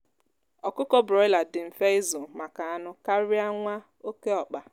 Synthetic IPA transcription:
ɔ˨kʊ˦kɔ˦bɾɔ˨ɪ˦la˨dɪ˨m̩˨fe˦ɪ˦zʊ˨ma˨ka˨a˦nʊ˦ka˦ɾi˦a˦ŋʷa˦ | o˦ke˦ɔ˨k͡pa˨

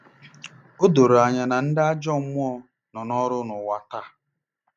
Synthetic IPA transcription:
o˦do˨ɾo˨a˨ɲa˨na˨n̩˦dɪ˦a˦d͡ʒɔ˦mʊ˦ɔ˦ | nɔ˨nɔ˦ɾʊ˦nʊ˨wa˨ta˦˨

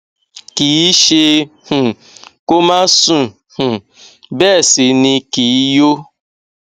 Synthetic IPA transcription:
kiː˨˦ʃe˧h̩˨ | ko˦ma˦sũ˦ | h̩˨ | bɛ˦˨si˨nĩ˧kiː˨˦jo˦

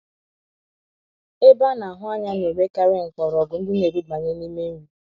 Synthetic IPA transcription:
e˦ba˦na˨ɦʊ˦a˦ɲa˦ne˨be˦ka˦ɾe˦ŋ̩˨kɔ˨ɾɔ˨ɡʊ˨n̩˦dɪ˦ne˨ɾi˦ɡ͡ba˨ɲe˦ni˦me˦ŋu˦˨

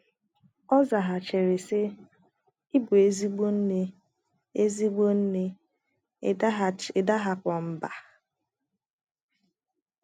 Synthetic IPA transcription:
ɔ˦za˨ɦa˨t͡ʃe˨ɾe˨se˦ | i˦bʊ˨e˦zi˦ɡ͡bo˦n̩˦ne˦ | e˦zi˦ɡ͡bo˦n̩˦ne˦˨ | da˦ɦa˨kʷɔ˨m̩˦ba˨

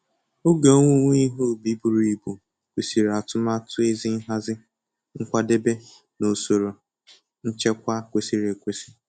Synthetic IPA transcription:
o˦ɡe˨o˦ŋʷu˦ŋʷ˦i˦ɦo˦˨bi˦bu˨ɾi˨bu˨ | kʷe˨si˨ɾa˨tʊ˦ma˦tʊ˦e˦zi˦n̩˦ɦa˦zɪ˦ | ŋ̩˦kʷa˦de˦be˦ | no˨so˨ɾo˨ | n̩˦t͡ʃe˦kʷa˦kʷe˨si˨ɾe˨kʷe˦si̥˦

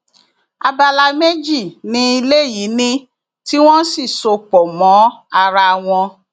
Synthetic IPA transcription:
a˧ba˧la˧me˦d͡ʒi˦˨nĩ˧˦i˧le˦˨ji˨˦nĩ˧ | ti˦w̃ɔ̃˦si˦˨so˧k͡pɔ˨mɔ̃˨˦a˧ɾa˧w̃ɔ̃˧

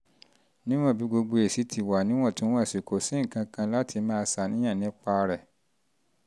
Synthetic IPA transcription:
nĩ˦w̃ɔ̃˦˨bi˨˦ɡ͡bo˧ɡ͡bo˧e˨si˨˦tʰi˨wa˨nĩ˦w̃ɔ̃˦˨tũ˦w̃ɔ̃˦e˨si˨ko˨sĩ˨˦ŋ̩˨kã˧kã˧la˦tʰi˧mãː˦˧sa˨˦nĩ˦j̃ã˦˨nĩ˨˦k͡pa˧ɾɛ˨

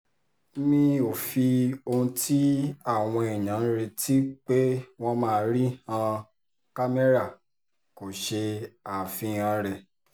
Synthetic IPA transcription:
mĩ˧o˨fi˧o˧ũ˧tʰi˦a˦˨w̃ɔ̃˧i˨j̃ã˨˦ɾe˧ti˦k͡pe˦w̃ɔ̃˦mãː˦˧˦ɾi˦hã˧ | ka˦me˦ɾa˦˨ | ko˨ʃe˧a˨fĩ˨˦ã˨˦ɾɛ˧˨

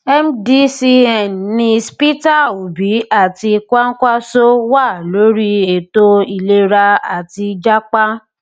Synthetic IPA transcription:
ɛ˦m˦di˦si˧ɛ˨n˨nĩ˧spi˦ta˦˨u˨bi˨˦a˦˨ti˧kʷa˦kʷa˦so˦wa˦˨lo˨˦ɾi˦e˨to˦i˧le˦ɾa˧a̰˨ti˧d͡ʒa˦k͡pa˦

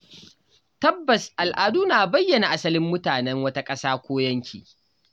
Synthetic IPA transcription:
tɐ˦bːɐ˨sʔa˨lʔaː˨duː˦naː˨bɐ˦jːɐ˨na˨ʔa˦sɐ˦lɪ˦mːʊ˦taː˨nɛ˦ŋwɐ˦ta˦kʼɐ˦saː˦kʷoː˦jɐ˦ŋkʲʰḭː˨

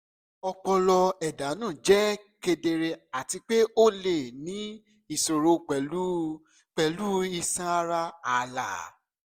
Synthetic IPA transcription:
ɔ˧k͡pɔ˧lɔ˧ɛ˨da˨˦nãː˦˨d͡ʒɛ˦ke˧de˧ɾe˧a˨ti˧k͡pe˦o˦le˨nĩ˨˦ | i˦˨so˨ɾo˧k͡pɛ˨lu˦ | k͡pɛ˨lu˦i˧sã˦a˧ɾa˦a˨la̰˨

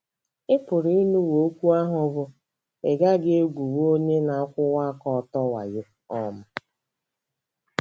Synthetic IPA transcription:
ɪ˦pʊ˨ɾi˦nu˦wo˨o˦kʷu˦a˦ɦʊ˦bʊ˦ | e˨ɡa˦ɡe˦e˦ɡʷu˨wo˦ɲe˦na˨˦kʷʊ˦wa˦kɔ˨tɔ˦wa̰˨je˦ | ɔ˦m̩˦

